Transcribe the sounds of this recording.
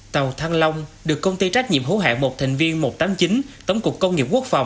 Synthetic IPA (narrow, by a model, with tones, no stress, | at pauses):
t̪ə˨˩wt̪ʰaː˧ŋlə˧wŋ͡mɗɨ˨˩əkːə˧wŋ͡mt̪i˧t͡ɕa˦˥k̟̚ɲḭ˧˨əmɦo˨˦ɦa̰ː˧˨nmo˨˩t̚t̪ʰa˨˩jŋ̟vi˧ənmo˨˩t̚t̪aː˨˦mt͡ɕi˨˦nt̪ə˨˦wŋ͡mku˨˩əkːə˧wŋ͡mŋi˨˩p̚ku˦˥ək̚fa̰˨˩wŋ͡m